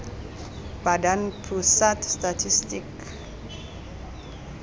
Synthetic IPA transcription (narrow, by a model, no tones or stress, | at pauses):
b̥adanpʰɾusatstatʰistik